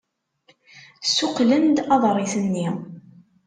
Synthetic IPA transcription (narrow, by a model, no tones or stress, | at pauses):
sːuqlənd̪ɑðˤɾˤiθənːi